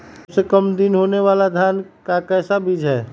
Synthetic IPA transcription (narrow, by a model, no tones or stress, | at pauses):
sekəmd̪ɪnɦoːneʋaːlad̪ʱjaːnkakɛːsabɪd͡ʒʱɦɛː